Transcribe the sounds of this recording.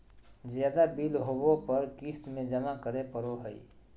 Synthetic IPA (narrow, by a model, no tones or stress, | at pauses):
zjaːd̪abilɦobõpəɾkiːst̪mẽd͡ʒəmakəɾepəɾoɦəḭ